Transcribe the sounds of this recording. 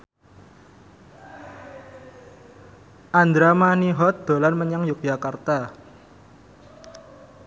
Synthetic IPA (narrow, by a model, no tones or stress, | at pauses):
ʔand̪ɾamaniɦɔt̪̚d̪̥o̤lanməɲaŋjʊk̚ʒ̥akart̪a